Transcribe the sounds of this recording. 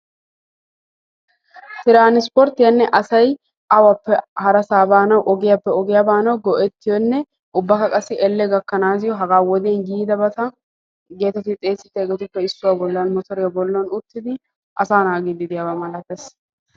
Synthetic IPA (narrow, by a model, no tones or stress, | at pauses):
t̪ɪɾaːnɪspɔɾt̪ːɪjɐnːɛʔɐsɐj | ʔɐwɐpːɛhɐɾɐsaːbaːnɐwʔɔɡɪjɐpːɛɔɡɪjɐbaːnɐwɡɔʔɛt̪ːɪjɔnːɛ | ʔʊbːɐkɐkʼɐsːɪʔɛlːɛɡɐkːɐnaːzɪjɔɦɐɡaːwɔd̪eːnɡiːd̪ɐbɐt̪ɐ | ɡe̞ːt̪ɛt̪ːɪt̪ʼe̞ːsːɪt̪ːɛːɡɛt̪ʊpːɛɪsːʊwabɔlːɐnmɔt̪ɔɾɪjɐbɔlːɔnʊt̪ːɪd̪ɪ | ʔɐsaːnaːɡid̪ɪd̪ɪjabamɐlɐt̪ɛs